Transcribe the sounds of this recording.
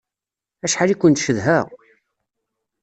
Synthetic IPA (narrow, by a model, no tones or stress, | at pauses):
æʃħalikʷːənt̪ʃəðɦæʁ